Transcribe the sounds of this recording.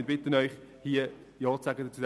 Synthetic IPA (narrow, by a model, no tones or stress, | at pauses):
nbɪtənœʏχhiːə | jɔːsaɡəd̪ət͡sudɛ